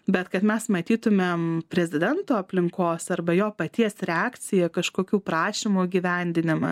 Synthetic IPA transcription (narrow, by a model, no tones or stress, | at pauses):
bʲɛt̪kɐt̪mʲɛsmɐt̪ʲiːt̪ʊmʲeːmpʲɾʲɛzʲɪd̪ʲɛnt̪oːɐpʲlʲɪŋkoːsɐɾbɐjoːpɐt̪ʲiɛsɾʲɛɑːkt͡s̪ʲɪjɛkɐʃkoːkʲuːpɾɑːʃʲimuːɡʲɪːʋʲɛˑnʲd̪ʲɪnʲɪmɐ